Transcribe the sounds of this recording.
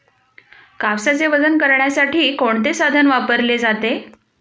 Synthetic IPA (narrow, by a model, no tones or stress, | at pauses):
kaʋsat͡seʋəd͡zənkəɾɳjasaʈʰiːkoɳt̪esad̪ʱənʋapəɾled͡zat̪e